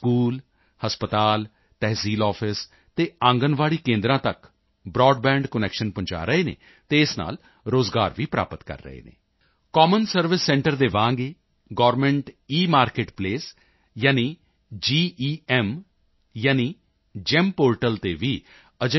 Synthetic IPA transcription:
skuːl | həspət̪aːl | t̪ɛːɦsiːlɔːpʰɪs | t̪eːãːŋɡənʋaːɽiːkẽːnd̪ɾãːt̪ək | bɾɔːɖbɛ̃ːɳɖkənɛːkʃənpʊ̃ɲt͡ʃa̰ːɾəeːnḛː | t̪eɪsna̰ːl | ɾoːzɡaːɾʋiːpɾa̰ːpət̪kə̰ɾːə̰ɦḛːnḛː | kɔːmənsəɾʋɪsːɛ̃ɳʈəɾd̪eːʋãːŋɡeː | ɡɔːʋɾmɛ̃ɳʈiːmaːɾkeːʈpleːs | jaːniː | d͡ʒiːiːɛm | jaːniː | d͡ʒɛmpoːɾʈəlt̪eːʋiː | əd͡ʒə

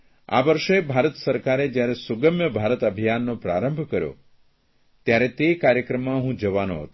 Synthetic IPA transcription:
a̰ʋəɾʃebʱaɾət̪səɾkaɾed͡ʒjaɾesʊɡəmjəbʱaɾət̪əbʱijanːõpɾaɾəmbʱkəɾjo̰ | t̪jaɾet̪ekaɾjəkɾəmːãɦũd͡ʒəʋano̰ɦət̪ũ

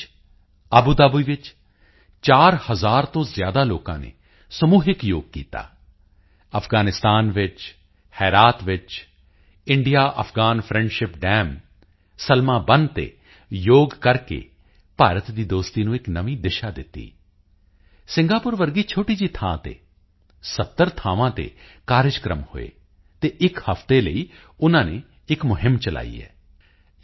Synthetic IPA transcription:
aːbuːd̪aːbuiːʋɪt͡ʃ | t͡ʃaːɾhəzaːɾt̪õːzɪjaːd̪aːloːkã̰ːnḛː | səmuːɦɪkjoːɡ̚kḭːt̪a̰ː | əfʰɡaːnɪst̪aːnʋɪt͡ʃ | hɛːɾaːt̪ʋɪt͡ʃ | ɪɳɖɪjaːʔəfʰɡaːnpʰɾɛ̃ɳɖʃɪpɖɛːm | səlmãːbənt̪ḛː | joːɡkəɾkḛː | paːɾət̪d̪iːd̪oːst̪iːnũːɪknəʋĩːd̪ɪʃaːd̪ɪt̪ːḭː | sɪ̃ŋɡaːpʊɾʋəɾɡiːt͡ʃʰoːʈiːd͡ʒiːt̪ʰã̰ːt̪ḛː | sət̪ːəɾt̪ʰaːʋãːt̪ḛːkaːɾɪd͡ʒkɾə̰mho̰ḛː | t̪eːʔɪkhəfʰt̪eːləiː | ʊnãːnẽː | ɪkmʊɦɪmt͡ʃəla̰ːḭːɛ̰ː

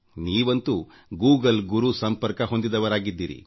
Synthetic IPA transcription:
niːʋɐnt̪u | ɡuːɡɐlɡuɾusɐmpɐɾkɐɦo̞nd̪id̪ɐʋɐɾaːɡid̪ːiːɾḭ

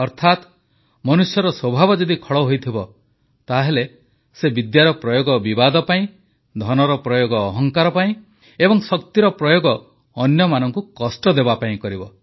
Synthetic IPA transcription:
ɔɾt̪ʰat̪ | mɔnusjɔɾɔswɔbʱabɔd͡ʒɔd̪ikʰɔɭɔɦojt̪ʰibɔ | t̪aɦele | sebid̪jaɾɔpɾɔjoɡɔbibad̪ɔpaĩ | d̪ʱɔnɔɾɔpɾɔjoɡɔːɦɔŋkaɾɔpaĩ | ebɔŋsɔk̚t̪iɾɔpɾɔjoɡɔː | njɔmanɔŋkukɔsʈɔd̪ebapaĩkɔɾibɔ

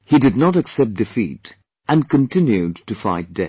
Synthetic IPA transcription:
hidɨdⁿnəɾɨksɛp̚d̥ɨfḭt | ə̃nkɨ̃ntʰɪ̃njʉd̚tɨfaɪt̚d̥ɛ

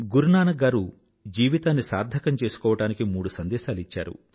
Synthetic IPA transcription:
ɡuɾɳaːnɐɡaːɾu | d͡ʒiːʋit̪aːnːisaːɾd̪ʱɐkɐmt͡ʃeːsu̥kɔːʋɐʈaːnikimuːɽusɐnd̪ɛːʃaːlit͡ʃːa̰ːɾṵ

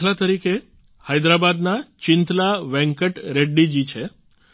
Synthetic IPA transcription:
lat̪əɾike | hajd̪ɾabad̪nat͡ɕint̪laʋɛ̃ŋkəʈɾeɖːid͡ʑiːt͡ɕʰe

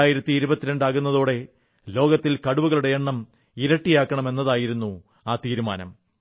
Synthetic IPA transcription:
aːjiɾɐt̪ːiːɾubɐt̪ːiɾeɳɖaːɣunːɐðoːɽe̞ | lo̞ːɡɐt̪ːilkɐɽuʋuɣɐɭuɽe̞jeɳːɐm | iɾɐʈːijaːkːɐɳɐme̞nːɐðaːjiɾunːu | aːt̪iːɾuma̰ːnɐ̰m

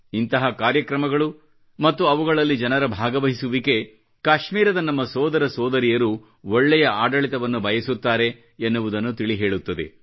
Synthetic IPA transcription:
int̪ɐɦɐkaːɾjɐkɾɐmɐɡɐɭu | mɐt̪ːuɐʋuɡɐɭɐlːid͡ʒɐnɐɾɐbʱaːɡɐʋɐɦisuʋike̞ | kaːʃmiːɾɐd̪ɐnɐmːɐsɔːd̪ɐɾɐsɔːd̪ɐɾijɐɾu | oɭːɛjɐaːɖɐɭit̪ɐʋɐnːubʱɐjɐsut̪ːaːɾe̞ː | nːuʋud̪ɐnːut̪iɭiɦe̞ːɭut̪ːɐd̪e̞̰

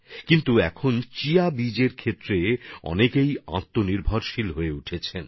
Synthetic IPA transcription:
kint̪uɛkʰont͡ɕiabid͡ʑeɾkʰet̪ːɾeɔ̰nekejã̰t̪ːoniɾbʱɔɾʃilɦoeuʈʰet͡ɕʰen

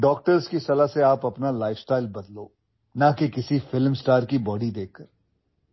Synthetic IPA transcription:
ɖɔːk̚ʈəɾzkisɐlaseaːpɐpnalaːɪfsʈaːɪlbɐd̪loː | nakekɪsifɪlmsʈaːɾkibɔːɖid̪eːkʰːɐɾ

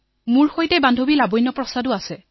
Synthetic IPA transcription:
muɹxojtɛbandʱobilabɔjnɔpɹɔsadʊasɛ

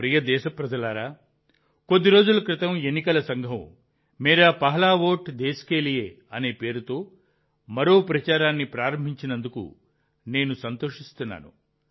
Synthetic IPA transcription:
pɾijɐd̪ɛːʃɐpɾɐd͡ʒɐlaːɾaː | ko̞d̪ːiɾo̞ːd͡ʒulɐkɾɪt̪ɐmenːikɐlɐsɐŋɡʱɐ̃m | miːɾɐpɐɦɐlaːʋo̞ːʈd̪eːskeːlijeː | ɐne̞ːpe̞ːɾut̪o̞ː | mɐɾo̞ːpɾɐt͡ʃaːɾaːnːipɾaːɾɐmbʱiɲt͡ʃinɐnd̪ukṵ | ne̞ːnusɐnt̪o̞ːʂist̪unːa̰ːnṵ

